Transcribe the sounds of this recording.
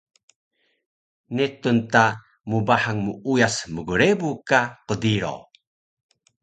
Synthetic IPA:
netunta | mubaħaŋmuujasməɡuɾebukaqədiɾo̰

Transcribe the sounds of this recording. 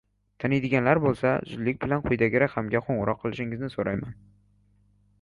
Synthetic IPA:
t̪ʰanɪjd̪ɪɡʲanlaɾbolˠsa̰zʊd̪lɪkʲbɪlanqʰʊjd̪aɡʲɪɾakʲhamɡʲaqʰoɴʁʊɾɒqʰːɨlˠɪʃɪŋɪznɪsoɾʔajman

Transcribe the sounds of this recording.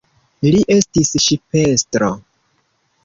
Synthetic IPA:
liʔe̞stisʃipestɾo̰

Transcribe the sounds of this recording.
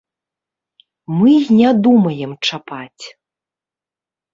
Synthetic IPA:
mɨnʲad̪umɐjɛmt͡ʂapat͡sʲ

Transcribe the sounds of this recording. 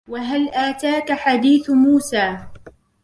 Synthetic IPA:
waɦalʔaːt̪aːkaħad̪iːθmuːsaː

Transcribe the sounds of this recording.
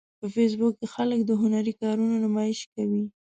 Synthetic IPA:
pəfes̬bʊkːexaləkd̪əɦʊnaɾikɑɾunonʊmɑjɪʃkawi

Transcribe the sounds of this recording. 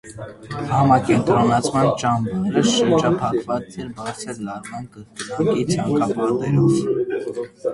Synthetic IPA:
hɑmɑkɛnt̪ɾɔnɑt͡sʰmɑnt͡ʃɑmbɑɾəʃəɾd͡ʒɑpʰɑkvɑt͡sɛɾbɑɾt͡sʰəɾlɑɾmɑnkət̪əɑkit͡sʰɑŋkɑpɑt̪ɛɾɔv

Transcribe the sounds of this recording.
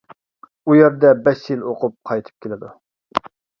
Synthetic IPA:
ujɛɾd̪ɛbɛʃjiloqʰʊp̚qʰɑjt̪ʰɨ̥p̚kʲʰelɪd̪u

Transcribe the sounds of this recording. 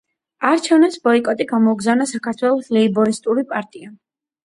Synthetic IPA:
aɾt͡ʃʰɛvnɛpsbɔikʼɔt̪ʼiɡamɔuɡzavnasakʰaɾt̪ʰwɛlˠɔslɛibɔɾist̪ʼuɾipʼaɾt̪ʼia

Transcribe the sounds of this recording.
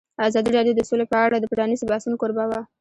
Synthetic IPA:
azɑd̪iɾɑɖjod̪əsolepəaɽad̪əpaɖɑnizbɑsunkoɾbawa

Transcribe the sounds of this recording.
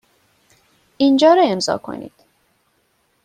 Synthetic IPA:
ind͡ʒɒːɾɒemzɒ̰ːkʰo̞̰nḭːd̪̥

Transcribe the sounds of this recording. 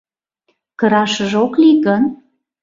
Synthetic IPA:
kə̆ɾɑʃəʒokliɣən

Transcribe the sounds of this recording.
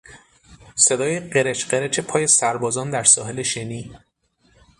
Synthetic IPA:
se̞d̪ɒːjeɢe̞ɾet͡ʃʰɢeɾet͡ʃʰe̞pʰɒːje̞sæɾbɒːzɒːnd̪æɾsɒːɦe̞le̞ʃeniː

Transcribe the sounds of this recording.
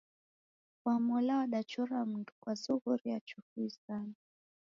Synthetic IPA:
wamɔlawaɗat͡ʃuɾam̩ndu̥kwazuhuɾijat͡ʃuhuisana

